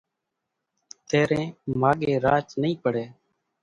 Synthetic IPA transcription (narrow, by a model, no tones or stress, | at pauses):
t̪eːɾẽːmaːɠeːɾaːt͡ʃnəĩːpəɽeː